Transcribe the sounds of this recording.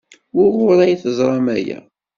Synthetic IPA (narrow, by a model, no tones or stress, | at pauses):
wʊʁʊɾˤæjθəzˤɾˤɑmæjæ̰